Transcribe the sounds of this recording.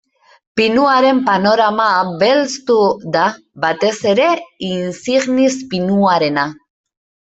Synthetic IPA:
pinuaɾe̞mpano̞ɾamaβe̞lt͡st̪uða | βat̪e̞se̞ɾe̞insiɣnispinuaɾe̞na

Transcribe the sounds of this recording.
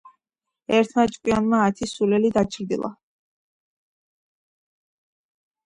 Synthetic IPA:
ɛɾt̪ʰmat͡ʃʼkʼwianmaːt̪ʰisulɛlid̪at͡ʃʰʼɾd̪ḭlˠa̰

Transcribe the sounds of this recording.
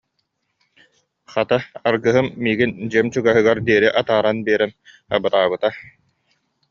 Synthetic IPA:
χat̪aaɾɡɯɦɯmːiːɡind͡ʑiɛmt͡ɕuɡaɦɯɡaɾd̪iɛɾiʔat̪aːɾanbiɛɾɛn | a̰bɯt̪aːbɯt̪a

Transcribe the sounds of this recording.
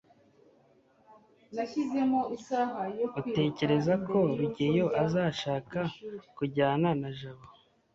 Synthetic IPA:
naçize̞mo̞usaɦajoute̞ːce̞ɾe̞zako̞ɾuɟejo̞ʔazaːʃaːkakuɟaːnanaʒaβo

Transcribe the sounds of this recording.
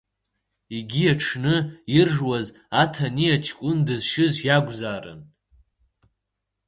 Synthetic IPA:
iɡʲiaʈ͡ʂʰnɨirʐwaz | atʰaniat͡ʃʰkʷʼʊndɨzʃɪzjaɡʷzaːrɨ̰n

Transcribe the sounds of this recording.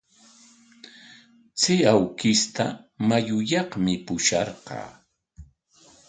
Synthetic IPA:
t͡sɪawkɪst̪a̰majʊjɑχmɪpʊʃɑ̰ɾqɑ̰ː

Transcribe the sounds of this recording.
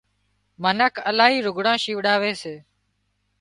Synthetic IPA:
mənəkʰəlaːɦiːɾʊɡɽãːʃiːʋɗaːʋeːseː

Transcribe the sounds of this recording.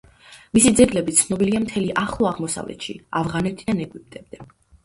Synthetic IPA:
misid̪zɛɡlɛbit̪sʰnɔbiliamt̪ʰɛliʔaχlˠɔaʁmɔsa̰vlɛ̰t̪ʃḭavʁanɛt̪ʰid̪anɛɡwip̚t̪ʼɛb̚d̪ɛ

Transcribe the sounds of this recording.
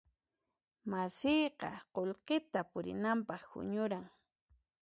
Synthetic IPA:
masɪjqɑ̰qolqet̪apʊɾɪ̰nampɑχhʊ̰ɲʊɾaŋ

